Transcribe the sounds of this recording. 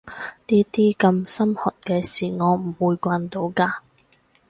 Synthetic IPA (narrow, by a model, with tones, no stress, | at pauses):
niː˥t̪iː˥kɐ˧msɐ˥mhɔː˨˩t̚kɛː˧siː˨˩ŋɔː˨˧m̩˨˩wuː˨˧jkʷaː˧nt̪o˨˧wkaː˧